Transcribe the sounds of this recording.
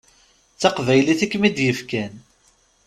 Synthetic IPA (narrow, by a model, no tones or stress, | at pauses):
t͡sːɑqvæjliθikːmid̪jəfkæn